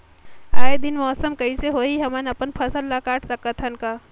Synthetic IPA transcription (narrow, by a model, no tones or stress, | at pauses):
aːed̪ɪnmɔːsəmkɐiseɦoːiɦɐmənɐpənpʰɐsəlːakaːʈʰsɐkət̪ʰɐnkaː